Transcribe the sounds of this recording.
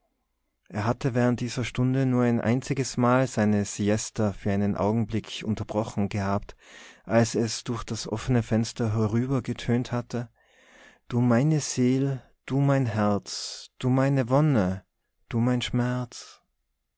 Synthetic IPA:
ʔeːɐɦatəvɛːʁənt̚d̥iːzɐʃtʊndənuːɐaɪnʔa̰ɪnt͡sɪɡəsmaːlzaɪnəsiɛstɐfyːɐʔaɪnənʔa̰ʊɡŋ̩blɪkʰʔʊntɐbʁɔχn̩ɡəhaːptʔalsɛsd̥ʊɐçd̥asʔɔ̰fənəfɛnstɐɦɛʁyːbɐɡətʰøːnthatʰə | d̥uːmaɪnəz̥eːl | d̥uːmaɪnɦɛɐt͡sd̥uːmaɪnəvɔnə | d̥uːmaɪnʃmɛɐt͡s

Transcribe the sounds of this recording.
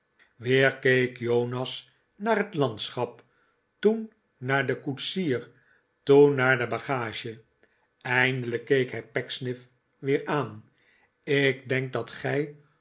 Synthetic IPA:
ʋɪːɹkejkjownɑs | naːrɦətlɑnt̪sχɑp | tunː | aːɹdəkutsiːr | tunːaːɹdəbɑχaːʒə | ɛjndələkːejkɦɛjpɛksnɪf | ʋɪːɹaːn | ɪɡ̚dɛŋk̚dɑtχɛj

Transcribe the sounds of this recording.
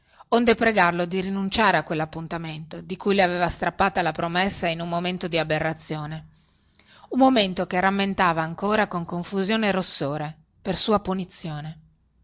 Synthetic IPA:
ond̪epɾeɡarlod̪iɾinunt͡ʃaːɾeakːwelːapːunt̪ament̪od̪ikujleaveːvast̪ɾapːaːt̪alapɾomesːainunmːoment̪od̪iaberːat̪sːjoːne | umːoment̪okeramːent̪aːvaːŋkoːɾakoŋkoɱfuzjoːneɾosːoːɾe | persuːapunit̪sːjoːne

